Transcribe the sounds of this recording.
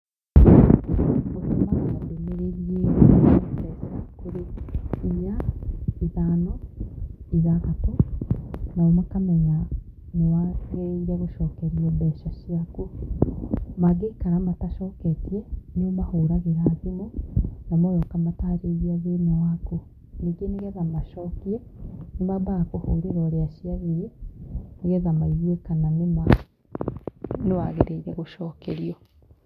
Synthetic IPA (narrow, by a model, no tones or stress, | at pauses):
mosumaondemeɾiɾije | kezeɾakuɾeimaiðaːno | iðaɣato | naemakameɲa | newaɣeiɾeβoʃoːkeɾioβweːʃaʃiaku | maɡekaɾamataʃoːketienomahoɾaɣeɾaðimonamaβokamatahɾeɣiaβenewako | niɡeniɣeðamaʃɔːkienimabakohoɾeɾɔɾeaʃiaɣiɾeniɣeðamaiɣiekananema | newaɣḛɾeiɾeɣoʃɔːkeɾiɔ